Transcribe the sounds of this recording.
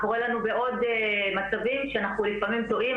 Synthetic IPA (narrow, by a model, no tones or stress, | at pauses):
koʁelanube̞ʔo̞d̪emat͡savimʃeanaχnulifamimt̪o̞ʔim